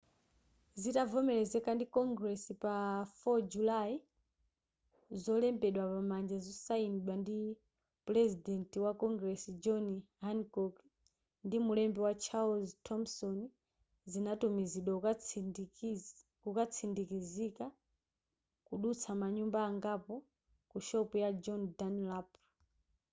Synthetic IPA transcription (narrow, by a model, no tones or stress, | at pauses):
zitavɔmɛlɛzɛkandikɔŋɡɾɛsipafɔd͡ʒulai | zɔlɛmbɛɗwapamand͡ʒazɔsainɗwandi | plɛzidɛntiwakɔŋɡɾɛsid͡ʒɔniɦankɔk | ndimulɛmbɛwat͡ʃʰalztʰɔmsɔni | zinatumiziɗwa | kukat͡sʰindikizika | kuɗut͡sʰamaɲumbaːŋɡapɔ | kuʃɔpujad͡ʒɔndanlap